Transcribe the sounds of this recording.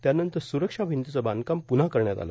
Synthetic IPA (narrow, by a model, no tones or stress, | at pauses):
t̪janənt̪əɾsuɾəkʂabʱint̪ut͡səbankampunakəɾɳjat̪a̰la̰